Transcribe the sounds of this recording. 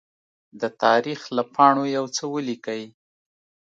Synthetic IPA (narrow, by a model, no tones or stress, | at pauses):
d̪ət̪ɑɾixlapʰɑɳojawt͡səwəlikəj